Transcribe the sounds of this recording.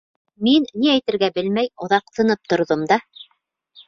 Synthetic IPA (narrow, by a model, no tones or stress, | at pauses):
minːiæjt̪ɘ̆ɾɡæbɘlmæjŏðɑq̚t̪ɤ̆nɤp̚t̪ŏɾðomd̪ɑ